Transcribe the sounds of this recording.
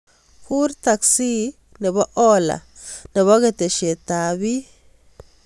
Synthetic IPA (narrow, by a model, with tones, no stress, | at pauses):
xu˦ɾt̪a˧ksi˦ | ne˨ba˦ʔo˦la̰˨ne˨βa˦ɡe˧t̪e˨ʃe˨t̪a˨bi˦